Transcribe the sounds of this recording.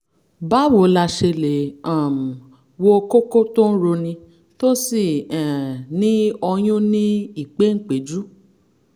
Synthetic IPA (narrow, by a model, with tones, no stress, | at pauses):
ba˦wo˨˦la˧ʃe˧le˨ã˨m̩˨ | wo˧ko˦ko˦tõ˦n̩˦ɾo˧nĩ˧ | to˦si˦˨ɛ̃˨nĩ˦ɔ˧j̃ũ˦nĩ˦i˦˨k͡pe˨˦ŋ̩˦˨k͡pe˨d͡ʒu˦